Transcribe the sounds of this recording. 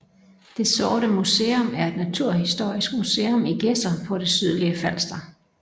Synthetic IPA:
d̥e̝sɒːɾəmuseːɔ̽mæɐe̝d̥næt͡sʰuɐ̰hisd̥o̝ɐ̰isɡ̥museːɔmiɡ̥esdɐpʰɒ̽ɾ̥e̝syð̞̰ˠliəfæl̰sd̥ɐ

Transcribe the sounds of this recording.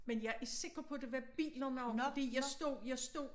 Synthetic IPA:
menjɑ̈ɪʔæɐse̝ɡ̥ɐpʰɒ̽d̥e̝ʋæb̥ḭːlɐnɑʊɒd̥ḭːjɑ̈ɪsd̥o̝̰jɑ̈ɪsd̥o̝̰

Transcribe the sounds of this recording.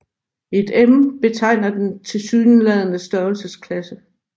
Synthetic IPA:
e̝d̥emb̥e̝t͡sʰɑ̈ɪ̰nɐd̥ent͡sʰe̝lsyːnəlɛð̞ˠənəsd̥ɶɐlsəskʰlæsə

